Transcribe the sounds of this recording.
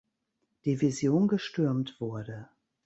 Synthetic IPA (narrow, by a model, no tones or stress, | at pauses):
d̥iːvizjoːnɡəʃtʏɐmtv̥ʊɐdə